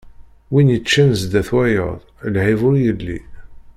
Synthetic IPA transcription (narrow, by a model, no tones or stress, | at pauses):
winjət͡ʃːænzd̪æθwæjə̰ðˤlʕivʊɾjəlːḭ